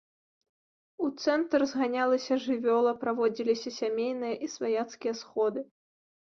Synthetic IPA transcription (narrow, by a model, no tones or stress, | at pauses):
ut̪sɛnt̪ɾrzɣanʲalˠɐsʲɐʐɨvʲɔlˠɐpɾavɔd͡zʲilʲisʲɐsʲamʲejn̪ɨjɐʔisvajat̪skʲijɐsxɔd̪ɨ